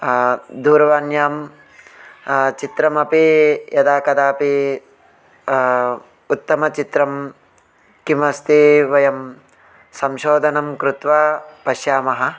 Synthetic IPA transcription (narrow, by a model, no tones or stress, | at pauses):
d̪uːɾɐʋaːnjaːm | t͡ʃit̪ɾɐmɐpijɐd̪aːkɐd̪aːpi | ut̪ːɐmɐt͡ʃit̪ɾɐm | kimɐst̪eːʋɐjɐm | sɐmʃoːd̪ʱɐnɐmkɾut̪ʋaːpɐʃjaːmɐɦɐ̆